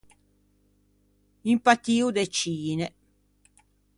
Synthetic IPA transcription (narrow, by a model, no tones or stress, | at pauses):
impat̪ːiːud̪et͡ʃiːnɛ